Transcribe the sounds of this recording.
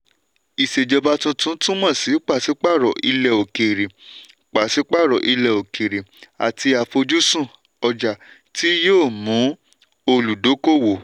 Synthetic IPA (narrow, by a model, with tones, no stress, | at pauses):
i˨se˨d͡ʒɔ˧ba˧˦tũ˧tũ˦tũ˦mɔ̃˦˨si˨˦k͡pa˦˨si˨˦k͡pa˦˨ɾɔ˨ʔi˧lɛ˧o˨ke˨ɾe˨ | k͡pa˨si˨˦k͡pa˦˨ɾɔ˨ʔi˧lɛ˧˨o˨ke˨ɾe˨a̰˨ti˧a˨fo˧d͡ʒu˦sũ˦˨ | ɔ˧d͡ʒa˨ | tʰi˦joː˦˨mũ˨˦ | o˧lu˨do˨˦ko˦˨wo˨